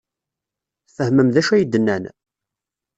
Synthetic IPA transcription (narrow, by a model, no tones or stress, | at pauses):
θfəhməmðæʃæjəd̪ːənːæn